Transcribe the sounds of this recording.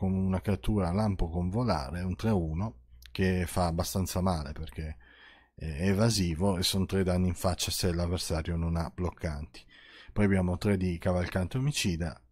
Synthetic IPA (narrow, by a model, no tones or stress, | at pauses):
komunakɾeat̪ːuːɾalampokoɱvola̰ːɾeunt̪ɾeuːno | k̟efaːbːast̪ant̪samaːleperk̟e | ɛɛvaziːvoesːont̪ɾed̪anːiiɱfat͡ʃːaselavːersaːɾjononablokʰːant̪i̥ | pɔjabjaːmot̪ɾed̪ikavalkant̪eomit͡ʃiːd̪a